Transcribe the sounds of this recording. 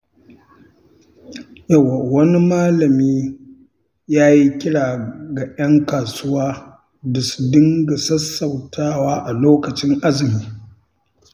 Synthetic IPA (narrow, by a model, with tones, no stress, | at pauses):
jɐ˦˨wːa˨wɐ˦ni˦maː˦lɐ˨miː˦ | jaː˦ji˦kʲɪ˦ɽaː˨ɡa˨jɐ˦ŋkaː˨sʊ˦waː˦ | da˨su̥˨dɪ˦ŋɡa˨sɐ˦sːɐ˨wtʰaː˦waː˦ʔa˨loː˦kɐ˨t͡ʃɪ˦ŋʔa˦zɪ˨miː˦